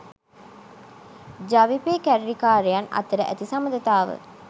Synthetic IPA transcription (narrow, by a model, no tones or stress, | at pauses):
d͡ʒaʋipeːkæɾɾikaːɾijanɐ̰t̪əɾəʔæ̰t̪isaməd̪ət̪aːʋə̰